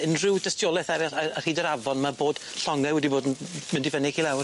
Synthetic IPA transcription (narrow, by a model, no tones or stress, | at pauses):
ɪnrɪwdəstjɔlˠɛθaɾaar̥iːdəɾavɔnmaboːd̥ɬɔŋɛwɛdiboːdnmɪndɪvənɪɡʰilˠawr